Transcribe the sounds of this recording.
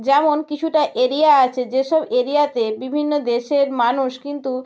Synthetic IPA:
d͡ʑɛmonkit͡ɕʰuʈaʔeɾiaat͡ɕʰed͡ʑeʃɔbeɾiat̪ebibʱinːod̪eʃeɾmanuʃkint̪u

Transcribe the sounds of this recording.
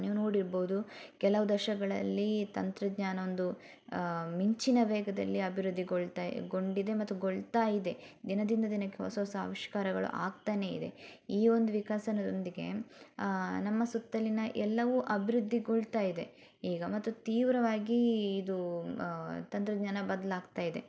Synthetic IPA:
niːʋuno̞ːɽiɾboːud̪ukɛlɐʋud̪ɐʃɐɡɐɭɐ̰lːit̪ɐnt̪ɾɐd̪ɲaːnɐond̪u | miɲt͡ʃinɐʋɛːɡɐd̪ɐ̰lːiɐbʱiɾud̪ʱːiɡoɭt̪aɡo̞ɳɖid̪e̞mɐt̪ːuɡoɭt̪aːjid̪e̞d̪inɐd̪ind̪ɐd̪inɐkːeɦɔsɐːsa̰ːʋiʃkaːɾɐɡɐɭṵʔa̰ːɡt̪aːne̞ḭd̪ḛiːo̞nd̪uʋikaːsɐnɐd̪ond̪iɡe̞̰ | nɐmːɐsut̪ːɐlinɐʔɛlːɐʋuʔɐbʱiɾud̪ʱːiɡoɭt̪aːjid̪e̞ | iːɡɐmɐt̪ːut̪iːʋɾɐʋaːɡiːd̪u | t̪ɐnt̪ɾɐd̪ɲaːnɐbɐd̪ɐlaːɡt̪aːjid̪e̞̰

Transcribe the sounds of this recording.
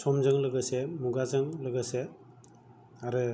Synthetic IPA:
sɔmzɯŋlɯɡɯsemuɡazɯŋlɯɡɯse | aɾɯ

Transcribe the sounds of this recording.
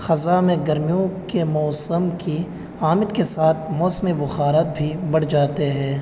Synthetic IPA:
xɐzamẽɡɐɾmijõkemɔːsəmki | aːmɪd̪kesaːt̪ʰmɔːsmibʊxaːɾat̪̚bʱibɐɽ̤d͡ʒaːt̪eɦɛ̃ː

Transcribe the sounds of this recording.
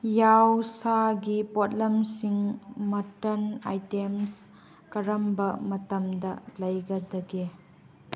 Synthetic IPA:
jawsaɡipot̚lɐmsiŋmɐtɐna̰jtems | kɐɾɐmbɐmɐtɐmdɐlɐjɡɐdɐɡe

